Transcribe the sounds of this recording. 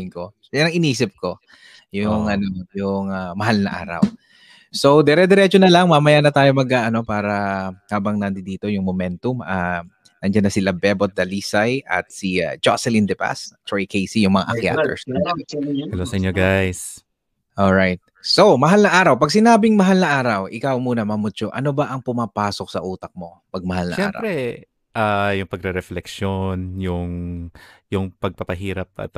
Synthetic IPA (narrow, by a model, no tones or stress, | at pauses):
ɪŋko | janɐŋɪniːsɪp̚ko̞ | jʊŋʔɐnojʊŋɐmɐɦalnɐ̰ʔa̰ːɾɐ̰w | so̞wd̪ɛɾɛd̪ɛɾɛt͡ʃonɐlɐŋmamɐjanɐt̪aːjo̞mɐɡaʔɐno̞paːɾɐhaːbɐŋnɐnd̪ɪd̪iːt̪o̞jʊŋmomɛnt̪ʊmʔɐ | nɐnd͡ʒɐnːɐsɪlɐbɛbot̪̚d̪ɐliːsajʔɐ̰t̪̚sia̰d͡ʒa̰sɛlind̪ɛpa̰st̪ojkejsijʊŋmɐŋaʔɐkja̰ːt̪ɛ̰ɹsnɐ | ɐlosɐʔɪɲɲoɡajs | ʔolɹajt̪̚somɐɦalnɐʔaːɾɐwpɐɡsɪnaːbɪŋmɐɦalnɐʔaːɾɐwʔɪkawmuːnɐmɐmʊt͡ʃoʔɐnobɐʔɐŋpʊmapaːsok̚sɐʔuːt̪ɐk̚mo̞ | pɐɡ̚mɐhalnɐʔʃɛaɛ̰ːmɾɐ̰ɾɛ | ʔajʊŋpɐɡ̚ɾɛɾɛflɛkʃonjʊŋ | jʊŋpɐɡ̚pɐpɐɦiːɾɐp̚ɐ̰t̪